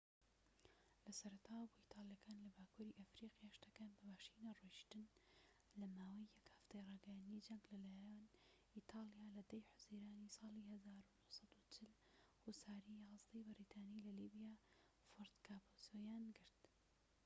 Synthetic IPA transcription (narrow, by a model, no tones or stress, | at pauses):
lɐsɐɾɐt̪ʰaːwboːʔiːt̪ʰɑːlˠjɐkaːnlɐbaːkʰuːɾiʔɐfɾiqjaːʃt̪ɐkanbɐbaːʃiːnareʃt̪ɨn | lɐmaːwɐjːɐkhɐft̪ejrˤɑːɡɐjaːnd̪id͡ʒɐŋɡlɐlaːjanʔit̪ʰɑːlijaːlɐd̪ɐjħʊziːɾaːnisɑːlihɐzaːɾunʊhsɑd̪ut͡ʃʰɪl | husaːɾiːjɑːzd̪ejbɨɾit̪ʰɑːnilɐlibijaː | foɾt̪kʰaːbosojaːnɡɨɾt̪